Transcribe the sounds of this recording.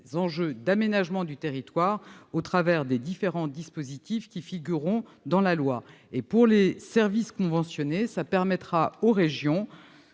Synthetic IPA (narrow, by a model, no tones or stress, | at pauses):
zɑ̃ʒød̪amenaʒmɑ̃d̪yt̪eʁit̪waʁot̪χavɛʁd̪ed̪ifeʁɑ̃d̪ispozit̪ifkʲifiɡʲyʁɔ̃d̪ɑ̃lalwaepuʁlesɛʁviskɔ̃vɑ̃sjɔnesapɛʁmɛt̪χaoʁeʒjɔ̃